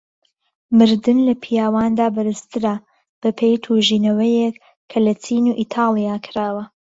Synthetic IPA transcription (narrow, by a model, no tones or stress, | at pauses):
mɨɾd̪ɨnlɐpʰijaːwaːnd̪aːbɐɾɨst̪ʰɨɾɐ | b̥ɐpʰejt̪ʰuːʒiːnɐwɐjek | kʰːɐlɐt͡sʰiːnuːʔit̪ʰaːlˠijaːkʰɨɾaːwɐ